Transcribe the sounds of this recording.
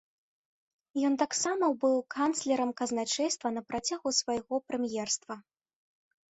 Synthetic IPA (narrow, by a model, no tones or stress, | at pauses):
jɔnt̪aksamɐbɨwkant̪slʲɛɾɐmkɐznat͡ʂɛjst̪vɐnɐpɾat͡sʲaɣusvajɣɔpɾɛmjɛrst̪vɐ